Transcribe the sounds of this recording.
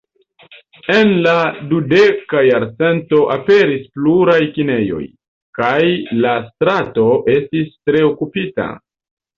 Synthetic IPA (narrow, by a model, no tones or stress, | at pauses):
e̞nladude̞kajaɾt͡se̞nto̞ʔape̞ɾispluɾajkine̞jo̞̰j | kajlastɾato̞ʔe̞stistɾe̞okupita̰